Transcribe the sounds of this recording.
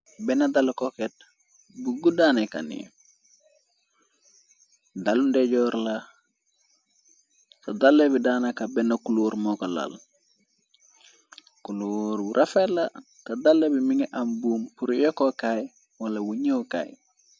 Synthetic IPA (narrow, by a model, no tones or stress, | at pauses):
bɛnadalkoket̚ | buɡudaːnaka̰nḭ | dalundeɟɔɾla | kadalːebidaːnakabenakuluːɾmokola̰l | kuluɾbuɾʔafela | kadalːebimiŋeʔambuːmpuɾijokokaj | walɐwuɲewka̰ːj